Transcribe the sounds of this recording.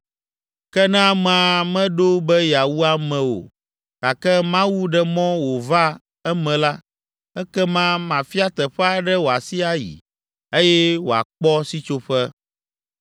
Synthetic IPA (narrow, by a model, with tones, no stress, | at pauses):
kɛ˦nã˦a˦m˨a˨mɛ̃˦ɖo˦bɛ˦ja˨wu˦a˦mɛ̃˨wo̰˨ | ka˨kɛ˦mã˦wu˦ɖɛ˨mɔ̃˦wo˨va˦ | ɛ˦mɛ̃˨la˦ | ɛ˦kɛ˦mã˦mã˨fi˦a˦t̪ɛ˨ɸɛ˦a˦˨ɖɛ˦wo˨a˨si˦a˦jḭ˨ | e˦jɛ˦wo˨a̰˨k͡pɔ˦si˦t͡ʃo˦ɸɛ˦